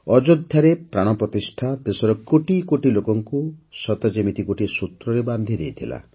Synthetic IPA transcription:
ɔd͡ʒod̪ʱjaɾepɾaɽ̃ɔpɾɔt̪isʈʰad̪esɔɾɔkoʈikoʈilokɔŋkusɔt̪ad͡ʒemit̪ikoʈisut̪ɾɔɾeband̪ʱid̪ejt̪ʰila̰

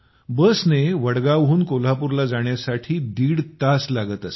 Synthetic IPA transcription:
bəsneʋəɽɡaʋɦuːnkolapuɾlad͡zaɳjasaʈʰiːd̪iːɽt̪aslaɡət̪əs

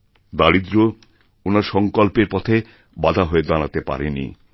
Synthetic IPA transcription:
d̪alid̪ɾo | onaɾʃɔŋkolpeɾpɔt̪ʰe | bad̪ʱaɦoed̪anat̪epa̰ɾenḭ

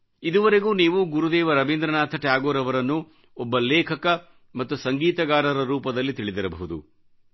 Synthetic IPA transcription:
id̪uʋɐɾeɡuːniːʋuɡuɾud̪ɛːʋɐɾɐʋeːnd̪ɾɐnaːt̪ʰɐʈjaːɡoːɾɐʋɐɾɐnːu | ɔbːɐlɛːkʰɐkɐ | mɐt̪ːusɐŋɡiːt̪ɐɡaːɾɐɾɐɾuːpɐd̪ɐlːit̪iɭid̪iɾɐbɐɦud̪ṵ

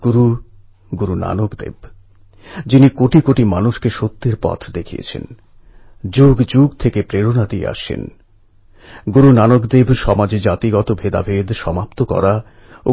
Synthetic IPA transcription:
ɡ̥uɾu | ɡuɾuna̰nokd̪ḛb | d͡ʑinikoʈikoʈimanuʃkeʃot̪ːeɾpɔ̰t̪ʰd̪ekʰiḛt͡ɕʰḛn | d͡ʑuɡd͡ʑuɡ̚t̪ʰekepɾeɾonad̪iḛa̰ʃḛn | ɡuɾunanokd̪ebʃɔmad͡ʑd͡ʑat̪iɡɔt̪obʱed̪a̰bʱed̪ʃɔmapt̪okɔ̰ɾa | o

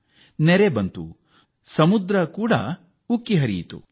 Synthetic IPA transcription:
nɛɾebɐnt̪ṵ | sɐmud̪ɾɐkuːɽɐ̰ | ukːiɦɐɾḭjit̪ṵ

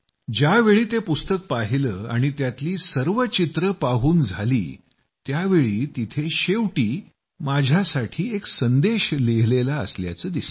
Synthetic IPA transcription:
d͡ʑaʋeɭiːt̪epust̪ək̚paɦiləːaɽ̃it̪jat̪liːsəɾʋət͡ɕit̪ɾəpaɦuːnd͡zʱalḭː | t̪jaʋeɭiːt̪it̪ʰeɕeʋʈiː | mad͡ʑʱjasaʈʰiːeksənd̪eɕleɦlelaə̰slja̰t͡səːd̪is

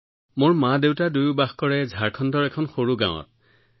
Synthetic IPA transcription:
moɹmadewtadujubaxkɔɹɛzʱaɹkʰɔndɔɹɛkʰɔnxoɹuɡã̰wɔ̰t

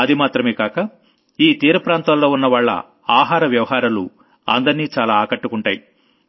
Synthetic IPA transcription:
ɐd̪imaːt̪ɾɐmeːkaːkɐ | iːt̪iːɾɐpɾaːnt̪aːlːo̞ːunːɐʋaːɭːɐ̰ | aːɦaːɾɐʋjɐʋɐɦaːɾɐlṵ | ɐ̰nd̪ɐɾniːt͡ʃaːlaːkɐʈːukuɳʈaːji

